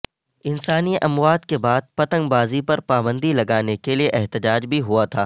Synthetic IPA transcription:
ɪnsaːniʔɐmwaːd̪kebaːd̪̚pɐt̪ə̃ŋɡbaːzipɐɾpaːbə̃nd̪ʱilɐɡaːnekelieʔɛɦt̪ɪd͡ʒaːd͡ʒbʱiɦuat̪ʰaː

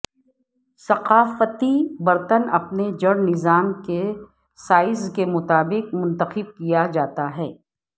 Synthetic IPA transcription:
sɐqaːfət̪ibɐɾt̪ənɐpned͡ʒɐɽnɪzaːmke | saːɪzkemʊt̪aːbɪqmʊ̃nt̪əxɪb̚kijad͡ʒaːt̪aɦɛː

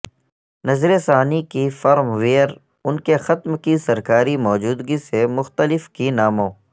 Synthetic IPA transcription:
nɐzɾesaːnikifɐɾmʋeːəɾ | ʊnkexɐt̪mkisɐɾkaːɾimɔːd͡ʒuːd̪ɡisemʊxt̪əlɪfkinaːmõː

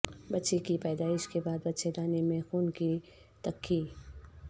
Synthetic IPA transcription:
bɐtːʃekipɛːd̪aːɪʃkebaːd̪bɐtːʃed̪aːnemẽxuːnki | t̪ɐkʰːi

